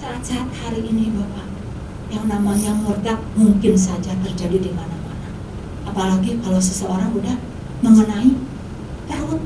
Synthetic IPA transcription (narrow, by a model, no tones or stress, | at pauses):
saːt̪̚sat̪̚haɾiʔinibapa | jaŋnamajaŋlərt̪ak̚muŋkɪns̬ad͡ʒat̪ərd͡ʒadidimanamana | ʔapalaɡikalas̬əsəoɾaŋudah | məŋənai | t̪arʊt̪̚